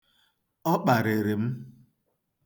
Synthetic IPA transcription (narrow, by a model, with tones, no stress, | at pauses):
ɔ˦k͡pa˨ɾe˨ɾe˨m̩˦